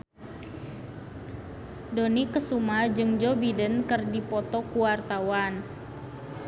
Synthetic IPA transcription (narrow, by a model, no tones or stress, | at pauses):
donikəsumad͡ʒɨŋd͡ʒɔbidənkərdipɔt̪ɔkuwart̪awan